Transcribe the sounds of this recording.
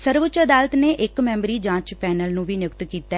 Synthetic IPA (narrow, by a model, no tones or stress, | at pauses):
səɾʋət͡ʃəd̪aːlət̪neːʔɪkmɛ̃ːmbɾiːd͡ʒãːt͡ʃpɛːnəlnũːbʱiːnjʊkt̪kiːt̪a